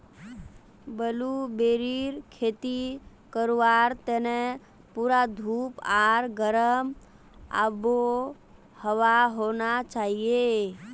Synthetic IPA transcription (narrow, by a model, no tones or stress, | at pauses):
bəlubeːɾiɾkʰeːt̪i | kəɾʋaɾt̪ene | puːɾad̪ʱuːpaɾɡəɾəm | a̰bo | həʋaɦonat͡ʃaːɦie